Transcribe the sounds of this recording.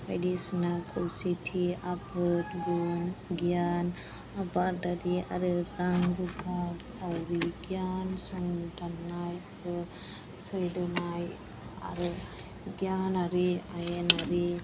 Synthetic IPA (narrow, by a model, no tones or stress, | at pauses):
ba̰jdisnakʰawsitʰiabʰɯtɡunɡijan | abadaɾia̰ɾɯɾaŋɾubakʰawɾiɡjansɔŋdanːajaɾɯ | sɯjdɯnaj | a̰ɾɯ | ɡijanaɾiajenaɾi